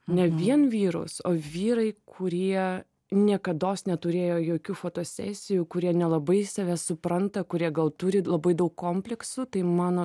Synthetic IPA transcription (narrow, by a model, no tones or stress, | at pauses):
nʲɛʋʲiɛnʋʲiːɾʊ̰soːʋʲiːɾɐɪkʰʊɾʲiɛ | nʲiɛkɐd̪oːsnʲɛt̪ʊɾʲeːjoːjoːkʲuːfoːt̪oːsʲæ̰ːsʲɪjuːkʊɾʲiɛnʲɛlˠɐbɐɪsɑʋʲɛsʊpɾɐnt̪ɐkʊɾʲiɛɡɐlˠt̪uːɾʲɪlˠɐbɐɪd̪ɐʊkkoːmʲpʲlʲɛksʊt̪ɐɪmɑːnoː